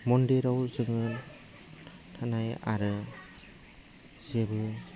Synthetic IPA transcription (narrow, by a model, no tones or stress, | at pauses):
mɔndeɾawzɯŋɯ | tʰanaja̰ɾɯ | zebɯ